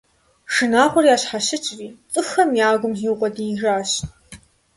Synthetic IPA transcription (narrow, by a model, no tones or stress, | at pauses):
ʂɨnaːχʷɔriaːɕħaɕɨt͡ʃʼriːt͡sʼɨxɐmjaːɡʷʊmɮiːwqʷʼɔdiːʒaːɕ